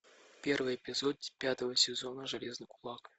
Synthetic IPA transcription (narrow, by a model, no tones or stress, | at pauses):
pʲe̞rvɨjɪpʲɪzod̪̚pʲat̪əvəsʲɪzonəʐɨlʲeznɨkʊlˠɑk